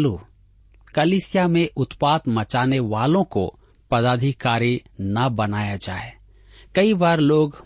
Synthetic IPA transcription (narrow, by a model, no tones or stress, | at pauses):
lu | kɐliːsɪjamẽʔʊt̪paːt̪mɐt͡ʃaːneʋaːlõko | pɐd̪aːd̪ʱikaːɾinɐbɐnaːjad͡ʒaːe | kɐibaːɾloːɡ